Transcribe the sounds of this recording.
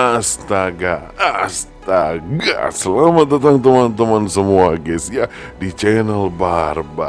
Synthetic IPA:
ast̪aɡa | ast̪aɡa̰səlamat̪ːət̪̬aŋt̪əmant̪əmansəmuaɡɛsjadit͡ʃɛnəlbarba

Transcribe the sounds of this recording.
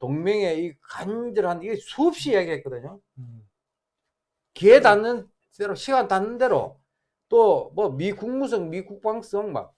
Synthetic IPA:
toŋmeŋeikaɲdɯɾɭhandiɡesʰuːp̚ɕ͈ijaɡiɦet̚k͈ʌdɯɲo | kietanːɯn | d̥eɾoɕʰiɡantanːɯnde̞ɾo̰ | t͈omʌmikuŋmusʰʌŋmikuk̚p͈aŋs͈ʌŋma̰n

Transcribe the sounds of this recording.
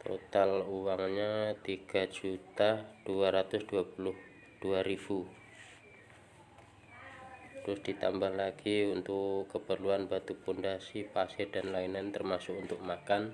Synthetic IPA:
t̪o̰t̪aluwaŋɲat̪iɡ̥ad͡ʒut̪ad̥uaɾat̪ʊsd̥uapulʊh | d̥uaɾib̥u | t̪əɾʊsd̥it̪a̰mbahlaɡ̥iunt̪ʊkːəpərluanbat̪upundasipasedanlainant̪ərmasʊkunt̪ʊk̚makan

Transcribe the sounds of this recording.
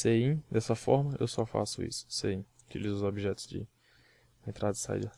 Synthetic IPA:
seĩd̪ɛsɐfɔɾmɐʔḛwsɔfa̰sʊḭsʊ̥seĩ | kelizʊzobiʒɛt̪ʊzd͡ʒɪ̰ | ẽnt̪ɾad̪ɪsa̰ḭd̪ɐ

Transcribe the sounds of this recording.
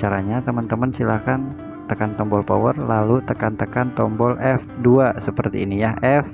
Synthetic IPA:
t͡ʃaɾaɲat̪əmənt̪əmənsilakan | t̪əkant̪ɔmbɔlpɔ̰wərlalut̪əkant̪əkant̪ɔmbɔlʔɛfduasəpərt̪iːnijaʔɛf

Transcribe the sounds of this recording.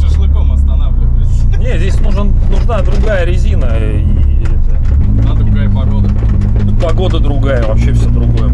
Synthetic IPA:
sʲɪslˠɨkomɐst̪ɐnavlʲɪvəs | nʲezʲesʲnuʐnənʊʐnad̪ɾʊɡajəɾʲɪzʲinə | i | ɛt̪ə | d̪ad̪ɾʊɡajəpɐɡod̪ə | upɐɡo̞d̪əd̪ɾʊɡajəvɐpɕːefsʲod̪ɾʊɡo̞jə

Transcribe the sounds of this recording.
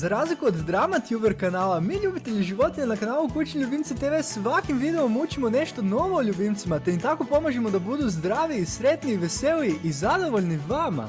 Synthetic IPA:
zaɾaːzlikuod̪ːɾamat̪jubeɾkanaːlˠamiːʎubit̪eʎiʒiʋo̞t̪inenakanaːlˠukut͡ɕiʎʲubimt̪set̪eʋesʋakimʋid̪e̞omut͡ɕimone̞ʃt̪o̞no̞ʋoːʎʲubimt̪simat̪emint̪ako̞po̞maʒemo̞d̪abud̪uzd̪ɾaːʋiːsɾe̞t̪niːʋe̞se̞liiʔizad̪o̞ʋo̞ʎniʋama̰

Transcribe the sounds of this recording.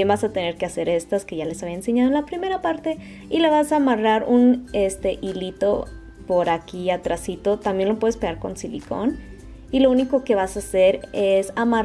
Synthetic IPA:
jembasat̪e̞ne̞ɾkease̞ɾe̞st̪aske̞ʝale̞saβiaense̞ɲaðoenlapɾime̞ɾapaɾt̪e̞ | ileβasaːmaraɾune̞st̪e̞ʔilit̪o̞ | po̞ɾakiat̪ɾasit̪o̞t̪ambje̞nlo̞pwe̞ðespeɣaɾko̞̰nsilḭko̞̰n | ilo̞uniko̞ke̞βasase̞ɾesama

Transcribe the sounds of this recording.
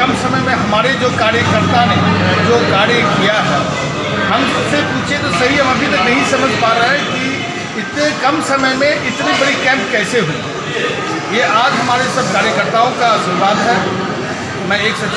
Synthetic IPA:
ɐmsɐməmẽɦɐmaːɾed͡ʒoːkaːɾjəkəɾt̪anẽd͡ʒoːkaːɽekijaɦɛː | ɦɐmsɐbsepũːt͡ʃʰet̪ɔsɐɦiɦɐmãbʱit̪ɐnɐɦĩsɐməd͡ʒʱpaːɾɐɦɛki | ɪt̪ekɐmsɐməjmẽʔɪt̪nibɐɽikɛ̃ːmpkɛːseɦui | jeaːd͡ʒɦɐmaːɾesɐb̚ʱkaːɾjəkəɾt̪aːõkasʊnbãːnɦɛ | mɛ̃eːksɐ

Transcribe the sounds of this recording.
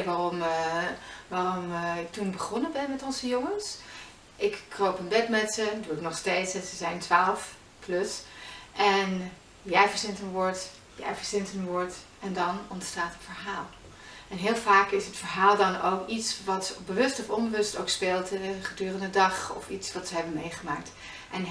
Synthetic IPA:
ʋaːrɔm | ʋaːrɔmɪk̚tunbəχɔnəbɛnmɛtɔnzəjoŋəns | ʔɪkːrowpənbɛtmɛtsəduɪknɔχstejtsɛzəzɛjntʋaːləf | klɵsʔɛn | jɛjvəɹzɪntənʋɔɹt | ja̰ːvəɹzɪntənʋɔɹt | ɛndɑnɔntstaːtɦətfəɹɦaːlˠ | ɛnɦɪːlˠvaːkɪsɦətfəɹɦaːlˠdɑnowkitsʋɑtbəʋɵstɔfɔnbəʋɵstowkspeːlˠtɛəχədyːrəndədɑχɔ̰fitsʋɑtsəɦɛbənmejχəma̰ːk̚t | ʔɛn

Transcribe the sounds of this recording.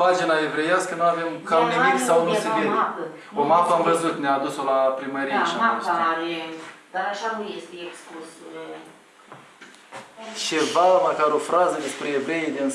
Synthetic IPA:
pad͡ʒinaevɾe̞jaskənuave̞mkamnimik̪sawnuseeapə | omapəamvəzut̪neaːd̪uso̞lapɾiməɾijjaʃaaaɾed̪̥aɾaʃanujest̪eeksplus | t͡ʃevaməkaɾo̞fɾazəd̪espɾeevɾe̞jed̪in

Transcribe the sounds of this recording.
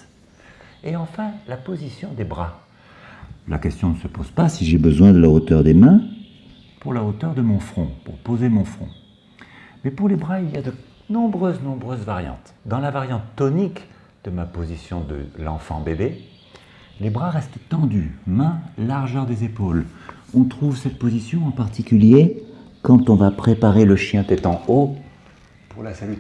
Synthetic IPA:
eɑ̃fɛ̃lapozisjɔ̃d̪ebʁa | la̰kʲɛst̪jɔ̃nəsəpoz̥pasiʒebəzwɛ̃d̪əlaot̪œʁd̪emɛ̃ | puʁlaot̪œʁd̪əmɔ̃fχɔ̃pṵʁpozemɔ̃fχɔ̰̃ | mɛpuʁlebʁailijad̪ə | nɔ̃bʁøznɔ̃bʁøzvaʁjɑ̰̃t̪ | d̪ɑ̃lavaʁjɑ̃t̪ːɔnik | d̪̥əmapozisjɔ̃d̪ə̰lɑ̰̃fɑ̰̃bebe | lebʁaʁɛst̪t̪ɑ̃d̪ymɛ̃laʁʒœʁd̪ezepol | ɔ̃t̪χuvsɛt̪̚pozisjɔ̃ɑ̃paʁt̪ikʲylje | kɑ̃t̪ɔ̃vapχepaʁeləʃjɛ̃t̪ɛt̪ɑ̃o | puʁlasaly

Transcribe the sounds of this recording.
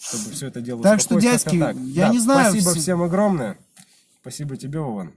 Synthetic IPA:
ʂt̪obɨfsʲoɛt̪ədʲelˠət̪akʂt̪odʲæsʲkʲɪakjanʲɪznajsʊibəfssʲemɐɡɾomnəjə | spɐsʲibətʲɪbʲeʊva̰n

